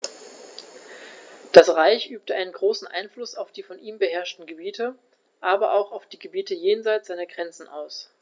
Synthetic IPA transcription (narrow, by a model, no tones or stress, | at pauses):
d̥asʁaɪçʔyːp̚təʔaɪnənɡʁoːsn̩ʔa̰ɪnflʊsaʊfd̥iːfɔnʔiːmbəɦɛɐʃtn̩ɡəbiːtʰə | ʔaːbɐʔaʊxaʊfd̥iːɡəbiːtəjeːnzaɪt͡sz̥aɪnɐɡʁɛnt͡sn̩ʔa̰ʊs